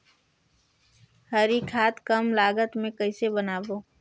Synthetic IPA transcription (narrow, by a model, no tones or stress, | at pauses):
hɐɾikʰaːt̪kəmlaːɡət̪mẽkəɪsebənaːboː